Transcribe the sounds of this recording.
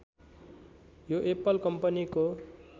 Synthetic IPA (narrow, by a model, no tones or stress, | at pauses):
joʔepʌlkʌmpʌniko